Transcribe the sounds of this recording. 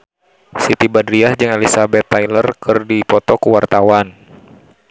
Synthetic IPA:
sit̪ibadɾiahd͡ʒɨŋelisabɛt̪ːajlərkɨrdipɔt̪ɔkuwart̪awan

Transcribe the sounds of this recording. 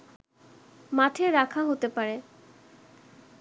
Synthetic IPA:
maʈʰeɾakʰaɦot̪epaɾe

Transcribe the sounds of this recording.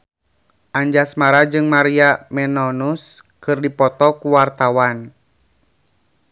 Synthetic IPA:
ʔaɲd͡ʒasmaɾad͡ʒɨŋmaɾiamɛnɔnus | kɨrdipɔt̪ɔkuwart̪awan

